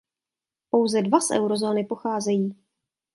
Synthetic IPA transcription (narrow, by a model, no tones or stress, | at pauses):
po̞wzɛdvasʔɛ̰wɾo̞zo̞ːnɪpo̞xaːzɛjiː